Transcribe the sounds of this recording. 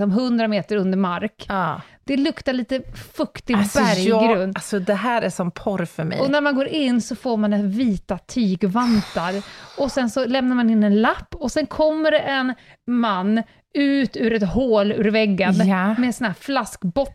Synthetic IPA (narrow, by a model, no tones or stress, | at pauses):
sɔmɦɵnd̪ɾameːt̪əɾɵnd̪əɾmaɾkː | d̪̥ɛlɵkt̪aɭiːt̪əfɵkt̪ɪɡbæɾjɡɾɵnasɔd̪ɛɦæːɾæʂɔmpʰɔɾfœɾmɛ̰ɔnæɾmanɡoːɾʔɪnːsɔfoːɾmanɛviːt̪at̪ʰyːɡvant̪aɾɔsɛnsɔlɛmnaɾmanɪnːɛnlapːɔsɛnkʰɔmːəɾɛʔɛnmanː | ʉ̟ːt̪ʉ̟ːɾɛt̪hoːlʉ̰ːɾvɛɡːanmɛsɔnæːɾflaskbɔt̪ː